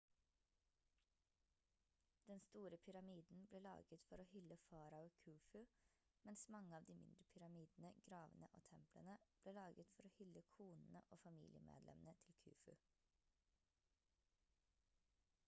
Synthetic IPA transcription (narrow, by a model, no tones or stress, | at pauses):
d̪̥ɛnst̪uːɾəpʰʏɾɑmiːd̪n̩bleːlɑ̰ːɡət̪fɔɾoːhʏləfɑːɾɑoːkʰʉːfʉ | mɛnsmɑŋəɑːʋd̪iːmɪ̰nd̪ɾəpʰʏɾɑmiːd̪n̩əɡɾɑːʋənə̰ʔo̰ːt̪ʰɛmplə̰nəb̥leːlɑːɡət̪fɔɾoːhʏləkʰuːnn̩ə̰ʔoːfɑmḭːlɪə̰mḛːd̪lɛ̰mənət̪ʰɪlkʰʉ̰ːfʉ̰